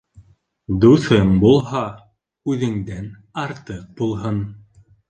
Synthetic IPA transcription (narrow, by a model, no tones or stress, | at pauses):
d̪uθɤɴbulˠhɑ | ʉðɘ̆ŋd̪æn | ɑɾt̪ɤq̚bulˠɦɤn